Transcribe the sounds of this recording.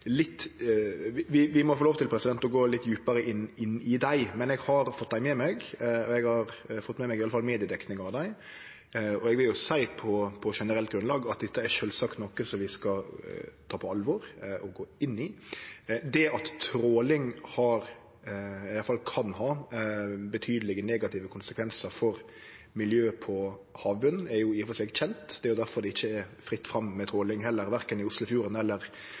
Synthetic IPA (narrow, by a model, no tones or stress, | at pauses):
lɪt̪ː | ɪʋɪʋɪmɔfoloːʋt̪ʰɪlpʰɾɛsɪd̪ɛnt̪ɔɡoːlɪt̪ːjʉːpəɾəʔɪnːɪnːɪd̪æɪmɛnɛɡhɑɾfɔt̪̚ːd̪æɪmɛmɛɡɔɛɡhɑɾfɔt̪ːmɛmɛɡɪɑləfɑlmeːd̪ɪəd̪ɛknɪŋɑʋd̪æɪ | ɔɛɡʋɪljʊsæɪpʰɔpʰɔʂɛnəɾɛlt̪̚ɡɾʉnlɑːɡɑt̪̚d̪ɛt̪ːəæɾʂøːlsɑkt̪nɔkːəsɔmʋɪskɑt̪ʰɑːpʰɔɑlʋɔɾʔɔɡoːɪnːɪ | d̪ɛɑt̪t̪ʰɾoːlɪŋhɑɾ | ɑjɑlfɑlkʰɑnɦɑː | bət̪ʰyːd̪əlɪɡəneːɡɑt̪ʰɪːʋəkʰʊnsəkʰʋɛnsəɾfɔɾ | mɪljøːpʰɔhɑːʋbʉn̩æɾjʊɪfɔsɛːɡçɛnt̪d̪ɛæɾjʊd̪æɾfɔɾd̪ɛɪçːəɛfɾɪt̪ːfʁɑmːɛt̪ʰɾoːlɪŋɦɛlːəɾʋæɾkənɪʊslʊfjuːɾənɛlːəɾ